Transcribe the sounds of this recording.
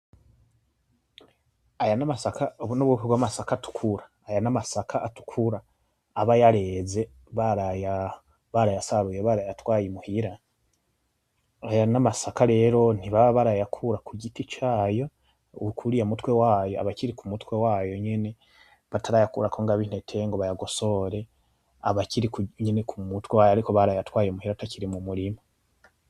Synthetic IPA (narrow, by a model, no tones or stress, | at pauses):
ajanamasakaoβunoβwukuɡwamasakatu̥kʰuɾaːjanamasakʰaʔːtu̥kʰuɾaː | βajaɾe̞ze̞ | βaɾaja | βaɾajasaβujeβaɾajatwaːjimuhiɾa | ajanamasakaɾe̞ːɾo̞n̥iβaββaɾajakʰuɾakuɟitit͡ʃaːjo̞ | kʰuɾijamutwe̞waːjo̞a̰βaciɾikumutwe̞waːjo̞ɲene̞ | βataɾajakṵɾakʰoŋɡaβin̥etʰe̞ŋɡo̞βajaɡo̞so̞ɾe̞ | aβaciɾikuɲenekumutwewaːjoaɾiko̞βaɾajatwaːjimuhiɾataciɾimumuɾima